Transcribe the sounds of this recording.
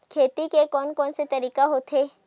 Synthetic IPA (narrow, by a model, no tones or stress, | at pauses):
kʰeːt̪ikekɔːnkɔːnset̪ɐɾiːkaɦoːt̪ɦeː